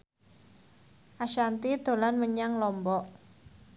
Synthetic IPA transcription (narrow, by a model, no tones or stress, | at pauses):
ʔaʃant̪id̪̥o̤lanməɲaŋlɔmbɔʔ